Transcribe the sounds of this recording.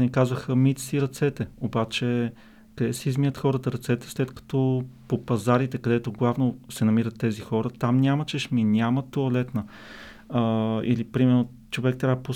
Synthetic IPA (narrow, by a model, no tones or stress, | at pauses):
nikazvəxəmit̪siɾɐt̪sɛt̪ɛobat͡ʃɛ | kɐd̪ɛsɛizmij̪ət̪xɔɾət̪əɾɐt̪sɛt̪ɛ̥slɛt̪kɐ̥t̪ɔpopɐzaɾit̪ɛkɐd̪ɛt̪oɡlˠavnosɛnɐmiɾət̪ːɛzixɔɾət̪amnʲamət͡ʃɛʃminʲamət̪oɐlɛt̪nə | ḭlipɾimɛɾno | t͡ʃovɛk̚t̪ɾʲavəpo